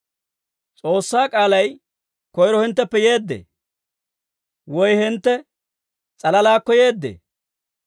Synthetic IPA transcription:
t͡sʼo̞ːsːaːkʼaːlɐj | kɔjɾɔhɪnt̪ːɛpːɛje̞ːd̪ːḛː | wɔjhɪnt̪ːɛ | t͡sʼɐlɐlaːkːɔje̞ːd̪ːḛː

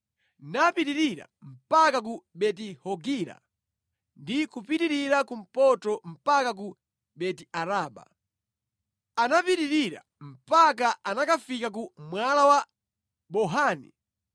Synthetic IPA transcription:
napiɾiɾiɾa̰m̩pakak̬uɓɛtihɔɡiɾa̰ | ndikupiɾiɾiɾakum̩pɔtɔm̩pakak̬u | ɓɛtiaɾaːɓa̰ | anapiɾiɾiɾa̰ | m̩pak̬aanakafikak̬umwalawa | ɓɔɦaːnḭ

